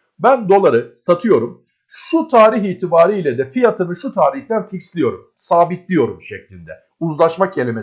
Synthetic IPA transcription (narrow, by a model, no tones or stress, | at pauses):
bænd̪o̞lˠaɾɯsat̪ʰɯjo̞ɾum | ʃut̪ʰaːɾiɦiːt̪ʰibaːɾijlʲɛd̪ɛfijat̪ʰanɯʃut̪ʰaːɾiht̪ænficslʲijo̞ɾumsaːbit̪lʲijo̞ɾumʃɛclʲind̪ɛ̰ | uzlˠaʃmak̚elʲeme